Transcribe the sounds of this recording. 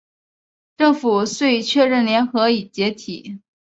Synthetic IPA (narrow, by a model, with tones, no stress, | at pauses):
ʈ͡ʂɤ˥˩ŋfu˨˩swe˥˧ɪt͡ɕʰɥɛ˥˧ɻə˥˩nljɛ˧˥nxɤ˧˥i˨˩t͡ɕjɛ˧˥t̪ʰi˨˩˦